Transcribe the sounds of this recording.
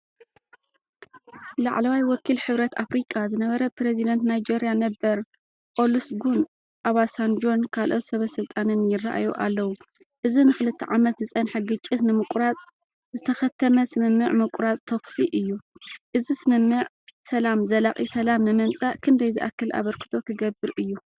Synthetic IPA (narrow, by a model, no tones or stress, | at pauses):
laʕlɐwajwɔkʰːilħɨβɾɐt̪ʰʔafɾikʼːazɨnɐβɐɾɐpɾezid̪ɐnt̪najd͡ʒeɾijanɐbɐɾ | pʼo̞lusɡun | ʔaβasand͡ʒo̞nkʰalʔo̞t̪sɐβɐsɨlt̪ʼanɨnjɪraʔa̰joʔalːɐwuʔɨzinɨxɨlɨt̪ʰːɐʕamɐt̪zɨsʼɐnħaɡɨt͡ʃʼːɪt̪nɨmɨkʼɾat͡sʼ | zɨt̪ʰɐxɐt̪ʰːɐmɐsɨmɨmːɨʕmɐkʷʼɾat͡sʼt̪ʰɐxsiʔɨjːuʔɨzisɨmɨmːɨʕ | sɐlamzɐlaχʼisɐlamnɨmɐnt͡sʼakʰɨnd̪ɐjziʔa̰kːɨlʔa̰βɐɾkʰɨ̥t̪ʰo̞kʰɨɡɐbɨɾʔɨjːu